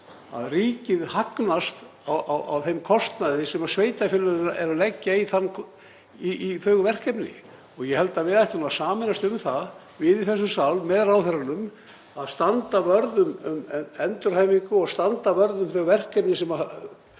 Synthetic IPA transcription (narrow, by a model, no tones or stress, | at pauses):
a̰ðriːcɪðhaknast̪ | awʔawʔa̰wθejmkʰɔst̪naðɪsɛmasveːjt̪afɪlnaðaɛɾalɛcːaiθanː | iiθœːɣʏvɛr̥kɛpnɪ̰ | ɔɣjɛhɛlt̪avɪðajht̪ɪnumasaːmɪnast̪ʏmθa | vɪðiθɛsːʏmsawlmɛðɾawθɛɾanʏm | aðst̪ant̪avœɾðʏmʏmɛnt̪ʏɾ̥haːjmiŋkʏaɣst̪ant̪avœɾðʏmθœːɣvɛr̥kɛpnɪsɛma